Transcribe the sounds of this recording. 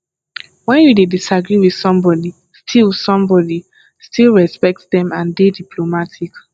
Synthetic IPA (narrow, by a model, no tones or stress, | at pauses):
wɛ̃njudedisaɡɹiwið̥sɔ̃mbɔdi | stʰilsɔ̃mbɔdi | stʰilˠɹɛspɛk̚tðɛ̃mãndedipʰlomatʰik